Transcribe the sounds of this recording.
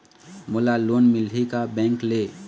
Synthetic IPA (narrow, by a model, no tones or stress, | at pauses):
mʊlaloːnmɪlɦikabɛ̃ːŋkle